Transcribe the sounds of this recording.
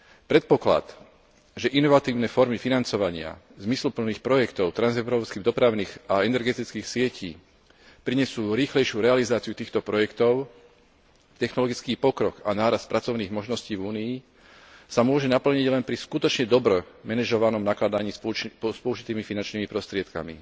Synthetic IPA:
pɾɛt̪̚pɔkla̰t̪ | ʒɛʔinɔʋat̪iːʊnɛfɔɾmifinant͡sɔʋaɲɪa̰ | zmislupl̩niːxpɾɔjɛkt̪ɔʊt̪ɾanzɛʊɾɔːpskiːɣd̪ɔpɾaʊniːɣaɛnɛɾɡɛt̪it͡skiːxsɪɛcḭː | pɾiɲɛsuːɾiːxlɛjʃjuɾɛalizaːt͡siut̪iːxt̪ɔpɾɔjɛkt̪ɔʊ | t̪ɛxnɔlɔɡit͡skiːpɔkɾɔkanaːɾast̪̚pɾat͡sɔʊniːɣmɔʒnɔsciːvuːniː | samʊɔʒɛnapl̩ɲiɟlɛnpɾiskut̪ɔt͡ʃɲɛd̪ɔbɾɔmɛnɛʒɔʋanɔmnaklad̪aɲiːspɔuʒit̪iːmifinant͡ʃniːmipɾɔst̪ɾɪɛt̪ka̰mḭ

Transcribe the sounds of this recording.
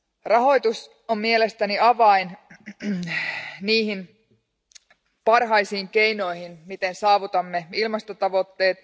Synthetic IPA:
rɑɦo̞jt̪us | ommielest̪æniɑʋɑin | niːhin | pɑrɦɑjsiːŋke̞jno̞jhinmit̪e̞nsɑːʋut̪ɑmːe̞ilmɑst̪ot̪ɑʋo̞t̪ːe̞ːt̪

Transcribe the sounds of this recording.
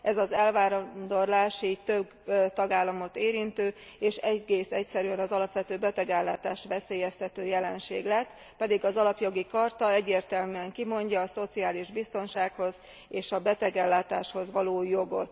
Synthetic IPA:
ʔɛzɒzɛlvaːɾnd̪o̞rlaːʃiːɟt̪øb | t̪ɒɡaːlːɒmo̞t̪eːɾint̪øːeːʃɛɟɡeːsɛcsɛɾyɛnɒzɒlɒpʋɛt̪øːbɛt̪ɛɡɛlːaːt̪aːʃt̪ʋɛseːjɛst̪ɛt̪øːjɛlɛnʃeːɡlɛt̪ː | pɛd̪iɡɒzɒlɒpjo̞ɡikɒrt̪ɒɛɟːeːrt̪ɛlmyɛŋkimo̞ɲɟɒːso̞t̪siaːliʒbist̪o̞nʃaːkho̞z | eːʃɒbɛt̪ɛɡɛlːaːt̪aːʃho̞zʋɒloːjo̞ɡo̞̰t̪

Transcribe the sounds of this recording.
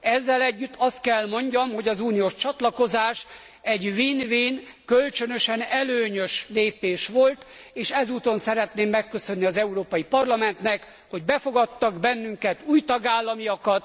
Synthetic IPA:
ɛzːɛlɛɟːyt̪ːɒst̪̚kɛlmo̞ɲɟɒmho̞ɟɒzuːnijoːʃt͡ʃɒt̪lɒko̞zaːʃ | ɛɟviːnviːnkø̞lt͡ʃønø̞ʃɛnɛløːɲøʃleːpeːʃʋo̞lt̪ | eːʃɛzuːt̪o̞nsɛɾɛt̪neːmːɛkːø̞sø̞nːiɒzɛuɾoːpɒjipɒrlɒmɛnt̪nɛk | ho̞ɟ̚bɛfo̞ɡɒt̪ːɒɡbɛnːyŋkɛt̪uːjt̪ɒɡaːlːɒmijɒkɒt̪

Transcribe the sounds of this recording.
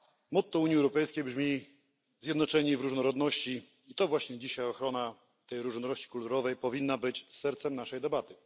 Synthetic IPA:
mɔt̪t̪ːɔuɲɛwɾɔpɛjskʲejbʐmʲi | zʲjɛd̪nɔt͡ʂɛɲivɾuʐnɔɾɔd̪nɔɕt͡ɕi | it̪ɔvwaɕɲɛd͡ʑiɕajɔxɾɔna | t̪ɛjɾuʐnɔɾɔɕt͡ɕi̥kult̪uɾɔvɛjpɔvʲinːabɘt͡ɕsɛɾt̪sɛmnaʂɛjd̪ɛbat̪ɘ

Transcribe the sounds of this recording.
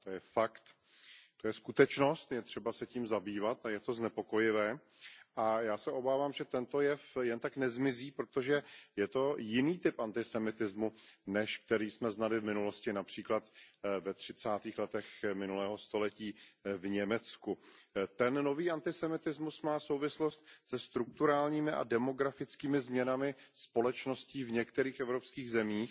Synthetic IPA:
t̪ojɛfakt̪ | t̪ojɛskut̪ɛt͡ʃno̞st̪jɛt̪r̝̥ɛbasɛciːmzabiːvat̪ajɛt̪o̞znɛpo̞ko̞jɪvɛːʔajaːsɛʔo̞baːvaːmʒɛt̪ɛnt̪o̞jɛfjɛnt̪aknɛzmɪziːpɾo̞t̪oʒɛjɛt̪o̞jɪniːt̪ɪpʔant̪ɪsɛmɪt̪ɪzmunɛʃk̚t̪ɛɾiːsmɛznalɪvmɪnulo̞scɪnapr̝̥iːklat̪vɛt̪r̝̥ɪt͡saːt̪iːxlɛt̪ɛxmɪnulɛːɦo̞st̪o̞lɛciːvɲɛmɛt͡skut̪ɛnno̞viːʔant̪ɪsɛmɪt̪ɪzmusmaːso̞wvɪslo̞st̪sɛst̪ɾuk̚t̪uɾaːlɲiːmɪʔa̰dɛmo̞ɡɾafɪt͡skiːmɪzmɲɛnamɪ | spo̞lɛt͡ʃno̞sciːvɲɛkt̪ɛɾiːxʔɛvɾo̞pskiːɣzɛmiːx

